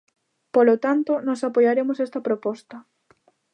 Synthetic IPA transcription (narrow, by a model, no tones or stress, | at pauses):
polot̪ant̪onɔsapojaɾemosɛst̪ɐpɾopɔst̪ɐ